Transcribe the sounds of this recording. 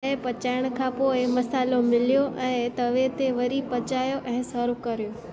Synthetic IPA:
epət͡ʃajəɽ̃kʰapoeməsalomɪljoʔəet̪əʋet̪eʋəɾipət͡ʃajoʔə̃ɦẽsəɾukəɾjo

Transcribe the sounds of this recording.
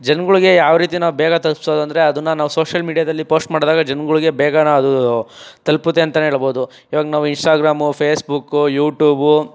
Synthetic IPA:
d͡ʒɐnɡuɭuɡe̞jaːʋɾiːt̪̬inaːʋubɛːɡɐt̪ɐlpsoːd̪ɐnd̪ɐɾe̞ɐd̪unːɐnaːʋuso̞ːʂɐlmiːɖijaːd̪ɐlːipo̞ːsʈmaːɽd̪aːɡɐd͡ʒɐnɡuɭiɡe̞bɛːɡanɐɐd̪ut̪ɐlput̪ːeɐnt̪ɐneɦeːɭbo̞ːd̪u | iːʋaːɡnaːʋuinsʈaːɡɾaːmupʰeːsbukːujuːʈjuːbu

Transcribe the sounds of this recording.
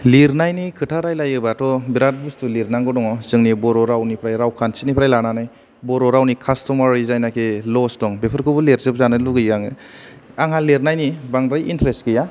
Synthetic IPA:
liɾnajnikʰɯtʰaɾajlajɯbatʰɔbiɾat̚bustʰuliɾnaŋɡɔdɔŋɔzɯŋnibɔɾɔɾawnipʰɾajɾawkʰansinipʰɾajlananaj | bɔɾɔɾawnikʰastɔmaɾizajnakʰelɔstɔŋbepʰɯɾkʰɯbɯleɾzɯp̚zanɯluɡɯjɡaŋɯ | aŋhaleɾnajnibaŋɾajʔintɾestkɯja

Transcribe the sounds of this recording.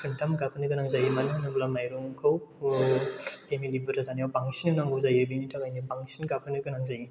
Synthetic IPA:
kʰɯntʰamkapʰɯnɯɡɯnaŋzajɯmananɯbulamajɾuŋkʰaw | emilibɯɾazanijawbaŋsinɯnaŋɡuzajɯbinitʰakajnibaŋsinkapʰɯnɯɡɯnaŋzaji

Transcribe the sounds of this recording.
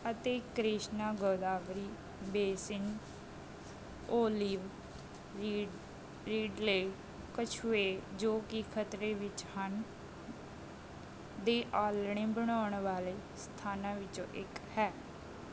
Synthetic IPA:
ət̪eːkɾɪʃnaːɡoːd̪aːʋɾiː | beːsɪn | oːlɪʋ | ɾiːɖleː | kət͡ʃʰʊeːd͡ʒoːkɪkʰət̪ɾeːʋɪt͡ʃhən | d̪eːʔaːlɳ̃ẽːbəɽ̃aːɳʋaːleː | st̪ʰaːnãːʋɪt͡ʃõ̰ːʔɪkhɛː

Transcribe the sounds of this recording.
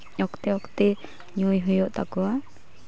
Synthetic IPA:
ɔkt̪ɛɔkt̪ɛ | ɲujɦujɔʔt̪a̰kɔwa

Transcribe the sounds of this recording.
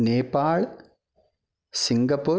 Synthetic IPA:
neːpaːɭ | siŋɡɐpːoː

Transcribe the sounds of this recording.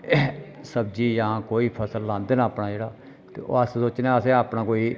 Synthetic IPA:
səb̚d͡ʒiːjãːkoːiːpʰəsəlːãːnd̪eːnaːpnaːd͡ʒeːɽaː | t̪ḛːo̰ːəssoːt͡ʃnãːəsẽaːpnãːkoːiː

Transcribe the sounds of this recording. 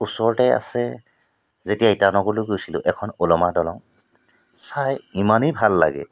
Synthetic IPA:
usɔɹtɛa̰sɛ | zetijaitanɔɡoluɡojsilʊ̰̃ʔɛkʰɔnolɔmadɔlɔŋ | sajimanibʱalːa̰ɡɛ̰

